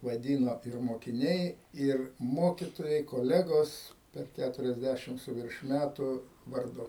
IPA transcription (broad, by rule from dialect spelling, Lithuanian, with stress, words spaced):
ʋɐˈdʲiːnoː ɪr moːkʲɪˈnʲɛɪ ɪr ˈmoːkʲɪtoːjɛɪ koːˈlʲæːɡoːs pʲɛr ˌkʲætʊrʲɛzʲˈdʲæʃʲɪm sʊ ˈʋʲɪrʃ ˈmʲætʊ ʋɐrˈdʊ